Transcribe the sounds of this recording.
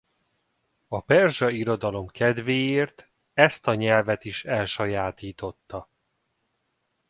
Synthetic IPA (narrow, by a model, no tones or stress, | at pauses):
ɒpɛrʒɒiɾo̞d̪ɒlo̞mkɛd̪veːjeːrt̪ | ɛst̪ɒɲɛlvɛt̪iʃɛlʃɒjaːt̪iːt̪o̞t̪ːɒ